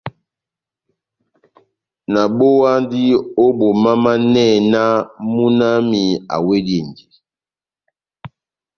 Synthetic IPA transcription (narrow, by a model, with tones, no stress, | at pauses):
na˨bo˦wa˦ndi˦o˦bo˨ma˦ma˦nɛ˦˨na˦mu˦na˦mi˨a̰˨we˦dje˨ndi˨